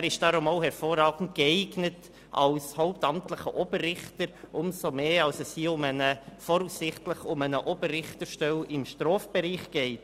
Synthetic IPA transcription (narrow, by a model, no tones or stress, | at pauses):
æɾɪʃd̥ɑːɾʊmoʊhɛɾfoːɾɑːɡ̥n̩tkəɛɪɡnət | ʔɑ̰lshoʊp̚tɑmtləχəʔɔb̥ərrɪχtəɾʔʊmsomeːɑlsɛsiːʊmənəfɔɾusːɪχtləχʊmənəʔɔbərːɪχtəʃtɛlɪmʃtɾɔːfb̥ɛɾiːχɡ̥ɛɪt